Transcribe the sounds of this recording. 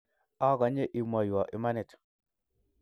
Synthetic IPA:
a˦˨ɡa˨ɲe˦ʔi˨ma˨ju˨wa˨ʔi˨ma˦ne˨t

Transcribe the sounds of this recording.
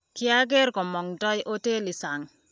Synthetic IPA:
kɪ˦a˦ɡe˦ɾkɔ˨mɔ˨ŋdɔ˦jʔo˦te˦li˨sa˨ŋ

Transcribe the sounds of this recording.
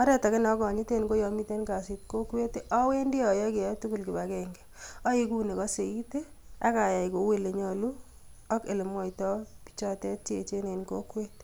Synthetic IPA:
ɔ˦ɾɛ˦ta˨ke˦nɔ˨˦kɔ˨ɲi˦te˦nko˦jɔ˧mi˦te˦nka˨si˨t̚ko˦kwe˦te˦ʔɔ˦we˦ndi˦ɔ˨jɔ˦kɪ˨ɛ˨˦tu˦ku˨lkɪ˨ba˨kɛ˨ŋɡɛ̥ | ɔ˦i˦ku˦ne˨kɔ˦se˨i˦te˦ | a˦ka˨ja˨jko˨we˦le˨ɲɔ˨lu˦ | ɔ˦ke˨le˨mwɔ˦jtɔ˦pi̥˦t͡ʃɔ˦tɛ˦tt͡ʃe˨t͡ʃe˦ne˨nko̰˦kwe˦t

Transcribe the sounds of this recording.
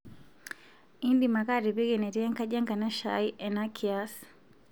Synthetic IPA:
i˦ndima˨kaɾi˨bi˦ɡɛnɛ˨ɾia˦ŋka˦ʄa˦ŋka˨na˦ʃajʔɛnakʰias

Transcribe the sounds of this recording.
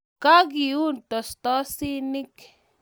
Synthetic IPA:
ka˦ɡi˨u˦˨nt̪o˨st̪ɔ˦si˦ni˦k

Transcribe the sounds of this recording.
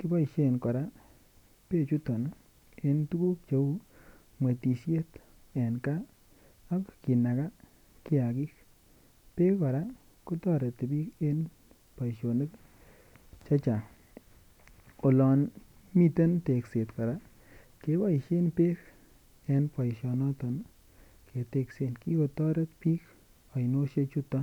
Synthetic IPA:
kɪ˦ba˦i˨ʃe˦˨nkɔ˨ɾa˦ | pe˦˨t͡ʃu˦tɔ˨n˦ | e˦ntu˦ku˦k̚t͡ʃe˦u˦ | mwe˨ti˨sje˦t | ɛ˨nkaː˦ | kki˨na˨ka˦ | kɪ˦a˨ki˦k | pe˦kɔ˨ɾa˦ | ku˦tɔ˦˨ɾe˨te˨bi˦ke˦n | pa˨jʃo˨ne˦k | t͡ʃa˦t͡ʃa˨ | o˨lɔ˨n | mi˦te˦nte˨kse˨tka˨ɾa˦ | ke˦pa˦˨ʃe˦npe˦k | ɛ˨npa˨jʃɔ˨nɔ˦tɔ˨n | kʰe˨te˦kse˨nki˦ko˧tɔ˦ɾe˦tpi˦k | a˨jno˦ʃe˦t͡ʃu˦t̪ːɔ˦

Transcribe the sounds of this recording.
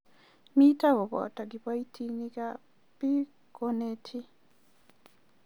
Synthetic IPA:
mi˦ta˦wɔ˨βɔ̰˨ta˨ɡi˨pa˦i˦tʰi˦nika | pi˦ | konetʰi˦

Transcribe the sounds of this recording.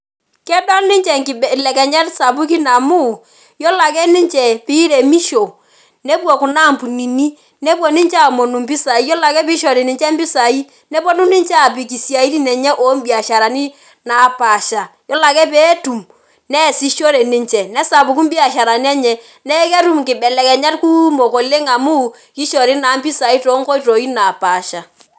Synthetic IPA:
kɛ˦dɔ˦ni˦ɲt͡ʃɛ˨ŋki˨blɛ˨kɛ˨ɲɛ˦tsa˨pu˦ki˦na˨mu˦˨ | jɔ˦la˨kɛ˦ni˦ɲt͡ʃɛ˨pi˦ɾe˨mi˦ʃo˨ | ne˦pwɔ˨ku˨na˦˨mpu˨ni˨ni˦ | nɛ˦pwɔ˨ni˦ɲt͡ʃa˦˨mɔ˨nu˨mbi˦sa˨i˦jɔ˦la˨kɛ˦pi˦ʃɔ˨ɾi˨ni˨ɲt͡ʃɛ˦mbi˦sa˨i˦ | nɛ˦pɔ˦nu˦ni˦ɲt͡ʃa˦˨pi˨ki˨sja˨i˦ɾi˦nɛ˨ɲɛ˦ʔo˨˦m˦bi˨a˨ʃa˨ɾa˨ni˦ | na˨pa˨ʃa˨jɔ˦la˨kɛ˦pe˦tu˨m | nɛ˦˨si˦ʃo˦ɾe˨ni˦ɲt͡ʃɛ˨nɛ˦sa˨pu˨k̬u˦mbi˦a˨ʃa˨ɾa˨ni˦ɛ˦ɲɛ˨ | nɛ˦kɛ˦ɾu˦mkɪ˨bɛ˨lɛ˨kɛ˨ɲa˦tku˦mo˨ko˨le˦ŋa˨mu˦ | ki˦ʃɔ˨ɾi˦na˨˦mbi˦sa˨i˦to˨˦ŋkɔ˦i˦to˨i˦na˨pa˨ʃa˨

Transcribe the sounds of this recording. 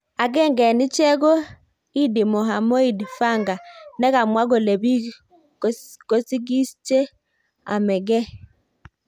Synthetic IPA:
a˨ɡɛ˦ŋɡɛ˨ni˦t͡ʃɛ˦ɡo˦ | i˦di˨mɔ˨ɦa˨mɔ˦i˦˨dfa˦˨ŋɡa˨nɛ˦ka˨mwa˦ɡo˨le˨bi˦ | ko˦si˦ɡi˦st͡ʃe˦ | a̰˨mɛ˨ɡɛ˦

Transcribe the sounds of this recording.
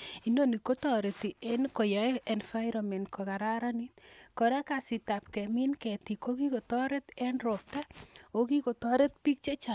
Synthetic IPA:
i˦ndo˦ni˨ko˦tɔ˨ɾe˨ti˨enko˨jɔ˨˦ɛ˨nfa˦jɾɔmɛ˨ntkʰo˨ka˨ɾa˦ɾa˦ni˦tko˨ɾɛ˦ka˨si˨ta˨p̚kɛ˨mi˦nkɛ˨ti˨ko˦ki˦ko˨tɔ˦ɾe˦tɛ˦nro˨p̚ta˦o˦ki˦ko˨tɔ˦ɾe˦t̚pi˦k̚t͡ʃe˦t͡ʃa˨

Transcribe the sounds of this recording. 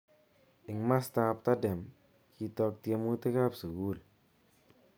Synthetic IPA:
ɪ˨ŋma˦sta˧p̚ta˦dɛ˨m | ki˧tɔ˧k̚tje˧mu˦te˦ka˦psu˨ɡu˦˨l

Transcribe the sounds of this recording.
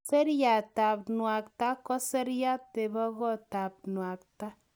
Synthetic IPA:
se˦ɾja˨ta˨pnwa˨k̚ta˦kɔ˦se˦ɾja˦te˨βɔ˦ɣɔ˦ta˨p̚nwa˨k̚ta˦

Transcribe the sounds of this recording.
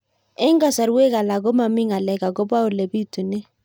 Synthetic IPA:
ɪ˦ŋɡa˨sa˨ɾwe˦ka˨la˨ɡo˦ma˨mɪ˦ŋa˨lɛ˨ka˨ɡo˦ba˦ʊ˨le˨bi˦tu˨nɪ˦

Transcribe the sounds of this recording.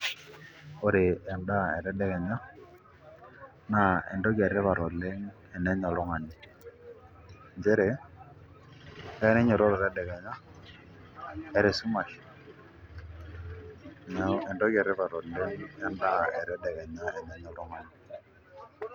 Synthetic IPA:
o˦ɾe˨ɛ˨nda˦ɛ˨ɾɛ˦dɛ˨ɣɛ˨ɲa˦ | na˨ɛ̰˨ndɔ˦ɣɛ˨ɾɛ˦βa˨ɾɔ˨le˦ŋ | ɛ˨nɛ˦ɲɔ˨lɔ˦ŋa˨ni˨ | nd͡ʒɛ˦ɾɛ˨˦ | ɛ˦nɛ˦ɲɔ˨ɾɔ˦ɾɔ˨ɾɛ˦dɛ˨ɣɛ˨ɲa˦ | ɛ˨ɾe˨su˦ma˨ʃi̥˨ | nɛ˦ɛ˨ndɔ˦ɣɛ˨ɾɛ˦βa˨ɾɔ˨lɛ˦ŋɛ˦nda˦ɛ˨ɾɛ˦dɛ˨ɣɛ˨ɲa˦ɛ˨nɛ˦ɲɔ˨lɔ˦ŋa˨ɲi˨

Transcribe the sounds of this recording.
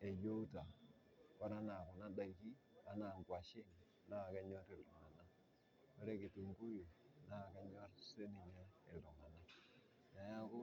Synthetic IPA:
e˨jo˦ta˨ | wa˦ɾa˦na˨ku˨na˦da˨˦ki˦ | a˦na˨ɡwa˨ʃi˦n˨ | na˦˨ka˦ɲɔ˦ɾi˨ɾɡu˨na˨na˦ | we˦ɾe˦ki˨ti˨ŋ˦ku˦ju˨na˦˨ka˦ɲo˦ɾse˦ni˨ɲe˦e˨ɾo˨ma˨na˦ | na˨ja˦ku˦

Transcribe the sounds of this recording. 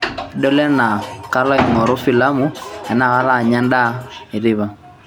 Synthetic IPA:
dɔ˦lɛ˦na˨ka˦lɔ˦i˨ŋɔ˨ɾʊ˦fi˨la˦mu˦ɛ˨na˦˨ɣa˦la˦˨ɲa˦nda˦i˨ɾi˦βa˨

